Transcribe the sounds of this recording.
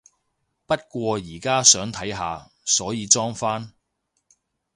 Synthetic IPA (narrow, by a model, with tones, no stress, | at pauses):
pɐ˥t̚kʷɔː˧jiː˨˩kaː˥sœː˨˥ŋt̪ʰɐ˨˥jɦa̰ː˨˧ | sɔː˨˥jiː˨˧t͡sɔː˥ŋfaː˥n